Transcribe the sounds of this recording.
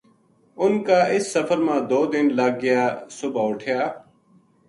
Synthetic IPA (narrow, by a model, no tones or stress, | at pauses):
ʊnkaːɪsːəfəɾmãːd̪oːd̪ɪnləɡ̚ɡɪjaːsʊbaːʊʈʰjaː